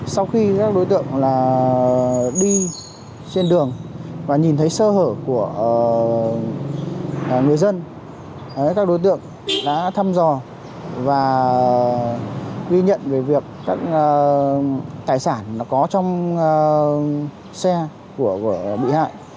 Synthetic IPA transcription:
sa˧wxi˧kaː˦˥k̚ɗo˨˦jt̪ɨ̰˧˨əŋlaː˨˩ | ɗi˧ | t͡ɕe˧nɗɨ˨˩əŋvaː˨˩ɲi˨˩nt̪ʰə˨˦jsəː˧həː˧˩ku˧˩ə˩ | ŋɨ˨˩əjzə˧n˨˦ | kaː˦˥k̚ɗo˨˦jt̪ɨ̰˧˨əŋ | ɗa̰ː˧˥t̪ʰa˧mzɔ˨˩ | vaː˨˩ | ɣi˧ɲə̰˧˨nve˨˩vi˨˩əkːaː˦˥k̚ː | t̪aː˧˩jsaː˧˩nla˨˦kɔ˨˦t͡ɕɔ˧wŋ͡m | sɛ˧ | ku˧˩əku˧˩əɓḭ˧˨ha̰ː˧˨jʔ

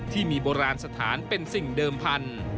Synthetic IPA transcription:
t̪ʰiː˥˩miː˧boː˧ɾaː˧nsa˧t̪ʰaː˩˦npe˧nsi˨˩ŋdɤː˧mpʰa˧n

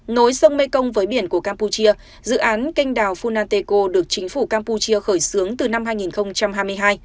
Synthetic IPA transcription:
no˨˦jsə˧wŋ͡mme˧kə˧wŋ͡mvəː˨˦jɓi˧˩ənku˧˩əkaː˧mpu˧t͡ɕi˧ə | zɨ̰˧˨ʔaː˨˦nkï˧ŋ̟ɗaː˨˩wfu˧naː˧nt̪e˧ko˧ɗɨ˨˩ək̚t͡ɕï˨˦ŋ̟fu˧˩kaː˧mpu˧t͡ɕi˧əxəː˧˩jsɨ˨˦əŋt̪ɨ˨˩na˧mɦaː˧jŋi˨˩nxə˧wŋ͡mt͡ɕa˧mɦaː˧jmɨ˧əjɦaː˧j

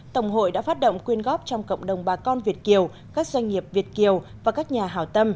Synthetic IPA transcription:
t̪ə˨˧˩wŋ͡mɦo̰˧˨jɗa̰ː˧˥faː˦˥t̚ɗə̰˧˨ŋ͡mkwi˧ənɣɔ˦˥p̚t͡ɕɔ˧wŋ͡mkə̰˧˨wŋ͡mɗə˨˩wŋ͡mɓaː˨˩kɔ˧nvi˨˩ət̚ki˨˩əw | kaː˦˥k̚zwa˧jŋ̟ŋi˨˩əp̚vi˨˩ət̚ki˨˩əwvaː˨˩kaː˦˥k̚ɲaː˨˩ɦaː˧˩wt̪ə˧m

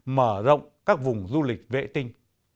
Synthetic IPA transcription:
məː˧˩zə̰˧˨wŋ͡mkaː˦˥k̚vʊ˨˩ŋ͡mzu˧lï˨˩k̚vḛ˧˨t̪ï˧ŋ

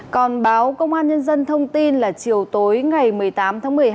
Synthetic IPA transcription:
kɔ˨˩nɓaː˨˦wkə˧wŋ͡mʔaː˧nɲə˧nzə˧nt̪ʰə˧wŋ͡mt̪i˧nlaː˨˩t͡ɕi˨˩əwt̪o˨˦jŋa˨˩jmɨ˨˩əjt̪aː˨˦mt̪ʰaː˨˦ŋmɨ˨˩əj

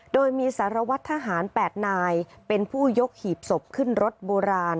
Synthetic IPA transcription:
doː˧jmiː˧saː˩˦ɾa˧wa˦˥t̪ʰːa˧ɦaː˩˦npɛː˨˩t̪̚naː˧jpe˧npʰuː˥˩jo˦˥k̚hiː˨˩p̚so˨˩p̚kʰɯ˥˩nɾo˦˥t̪̚boː˧ɾaː˧n

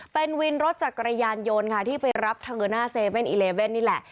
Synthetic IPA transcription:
pe˧nwi˧nɾo˦˥t̪̚t͡ɕaː˨˩kɾa˧jaː˧njo˧nkʰa˥˩t̪ʰiː˥˩pa˧jɾa˦˥p̚t̪ʰa˧ɯː˧naː˥˩seː˧we˥˩nʔiː˧leː˧we˥˩nːiː˥˩lɛ˨˩ʔ

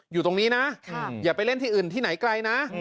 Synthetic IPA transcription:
juː˨˩t̪o˧ŋniː˦˥na˦˥jaː˨˩pa˧jle˥˩nt̪ʰiː˥˩ʔɯː˨˩nt̪ʰiː˥˩na˩˦jkla˧jna˦˥

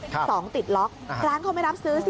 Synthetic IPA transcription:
sɔː˩˦ŋt̪i˨˩t̪̚lɔ˦˥k̚ɾaː˦˥nkʰa˥˩wma˥˩jɾa˦˥p̚sɯː˦˥si˨

